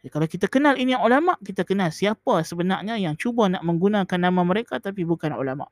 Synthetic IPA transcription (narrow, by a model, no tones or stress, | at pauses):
kalawkit̪akənaliniulamaʔkit̪akənalsiapasəbənarɲajaŋt͡ʃubanaʔmə̃ŋɡunãkanːãmãməɾekat̪apibukanṵlama̰ʔʔ